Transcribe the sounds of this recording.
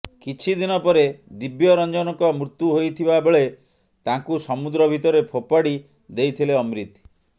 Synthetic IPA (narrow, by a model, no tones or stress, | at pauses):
kit͡ʃʰid̪inɔpɔɾed̪ibjɔɾɔnd͡ʒɔnɔŋkɔmɾut̪ːjuɦojt̪ʰibabeɭe | t̪ãŋkusɔmud̪ɾɔbʱit̪ɔɾepʰopaɽi | d̪ejt̪ʰileɔmɾit̪